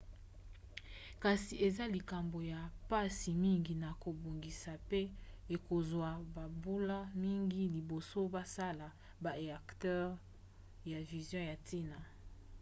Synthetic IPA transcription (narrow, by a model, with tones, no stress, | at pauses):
ka˨si˨e˨za˦li˨ka˨mbo˨ja˨pa˦si˨mi˦ŋɡi˨na˨ko˨bo˨ŋɡi˨sa˨pe˦e˨ko˨zwa˨ba˨bu˦la˦mi˦ŋɡi˦li˨bo˨so˦ba˦sa˦la˨ | ba˨ʁe˨a˨ktɛ˦ʁ | ja˨vi˨zjɔ̃˦ja˨ti˦na˨